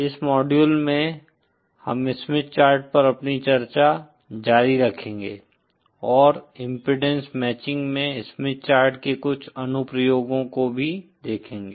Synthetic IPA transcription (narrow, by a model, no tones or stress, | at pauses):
ɪsmɔːɖjuːlmẽ | hɐ̰mɪsmɪt̪̚t͡ʃaːɾʈ̚pɐɾɐpnit͡ʃɐɾt͡ʃa | d͡ʒaːɾiɾɐkʰẽːŋɡeː | ɔːɾɪ̃mpɾɪɖẽnsmɛːt͡ʃɪ̃ŋɡmẽɪsmɪtt͡ʃaːɾʈkekʊt͡ʃʰɐnʊpɾəjoːɡõkobʱid̪eːkʰẽːŋɡeː